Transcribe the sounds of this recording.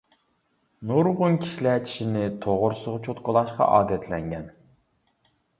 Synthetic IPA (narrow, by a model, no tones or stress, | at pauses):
nuɾʁʊnkʲʰi̥ʃilæt͡ʃʰi̥ʃinɪt̪ʰoʁʊɾsʊʁt͡ʃʰot̪qʊlˠɑʃqɑ̰ʔɑːd̪ɛt̪ʰlɛŋɡʲɛn